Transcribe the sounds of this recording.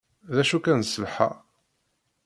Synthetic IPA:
ðæʃukænsəlħa̰

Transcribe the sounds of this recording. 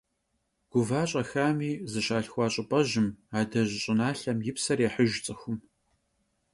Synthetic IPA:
ɡ̥ʷʊvaːɕʼɐxaːmiːzɨʃaːɬxʷɑːɕʼɪpʼɐʑɪmaːdɐʑɪɕʼɪnaːɬɐmjɪpsɐrjeħəʒt͡sʼɨxʷʊm

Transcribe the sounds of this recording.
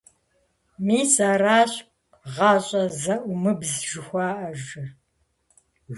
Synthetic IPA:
miːsaːɾaːɕp | ʁɑːɕʼɐzɐʔʷʊmɨbzʒɨxʷɑːʔɐʒɨ

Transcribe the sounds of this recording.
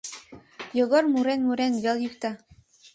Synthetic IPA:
joɣormuɾenmuɾenβeljykt̪ɑ

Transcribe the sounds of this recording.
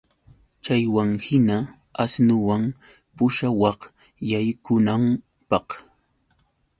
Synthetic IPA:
t͡ʃajwaŋhɪna | asnʊwaŋ | pʊʃawɑq | jajkʊnam | pɑq

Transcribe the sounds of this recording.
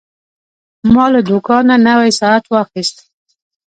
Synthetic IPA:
mɑlad̪ukɑnanawajsɑat̪wɑxist̪

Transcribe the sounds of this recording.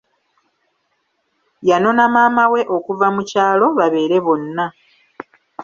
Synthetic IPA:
jano̞namaːmawe̞ʔo̞kuvamucaːlo̞βaβe̞ːɾe̞βo̞nːa

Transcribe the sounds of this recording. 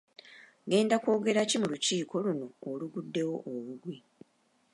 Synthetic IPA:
ɡe̞ːndako̞ːɡe̞ɾacimuluciːkʰo̞luno̞ːluɡudːe̞wo̞ʔoβuɡwi

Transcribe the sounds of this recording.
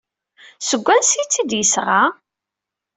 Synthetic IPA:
səɡʷːænsit͡sːid̪jəsʁa

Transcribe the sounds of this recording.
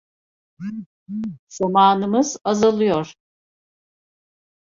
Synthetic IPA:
z̥amaːnɯmɯzazalˠɯjoɾ̥

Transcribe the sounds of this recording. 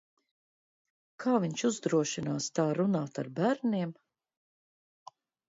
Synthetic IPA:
kʰaːviɲʃuzd̪ɾuɔʃinaːst̪aːɾunaːt̪aɾbæɾniɛm

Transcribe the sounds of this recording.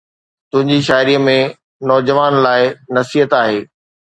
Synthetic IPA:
t̪ʊ̃ɦɪ̃ɲd͡ʑiʃ̬aːɪɾiːəmẽ | nɔːd͡ʑəʋaːnlaːɪnɐsiːət̪aːɦeː

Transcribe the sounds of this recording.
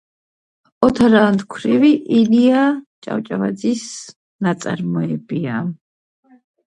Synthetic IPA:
ɔt̪ʰaɾant̪kʰɾiviʔiliat͡ʃʼa̰wt͡ʃʼava̰d̪zis | nat̪sʼa̰ɾmɔɛbia

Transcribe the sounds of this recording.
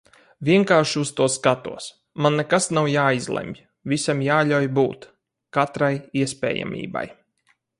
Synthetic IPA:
vʲiɛŋkaːʃust̪uɔskat̪ṵɔs | manːɛkasnawjaːizlˠɛ̰mʲ | visʲamjaːʎʲawjbuːt̪ | kat̪ɾajiɛspʲɛ̰ːja̰mʲḭːba̰j

